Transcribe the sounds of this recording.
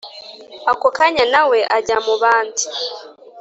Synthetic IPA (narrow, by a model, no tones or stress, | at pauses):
akokaɲanaweʔaɟamuβaːndu̥